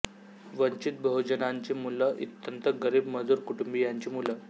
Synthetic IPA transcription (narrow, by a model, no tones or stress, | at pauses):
ʋəɲt͡ɕit̪̚bəɦud͡ʑənaɲt͡ɕemuləʔḭt̪ːənt̪əɡəɾiːbməd͡zuːɾkuʈumbijaɲt͡ɕimulə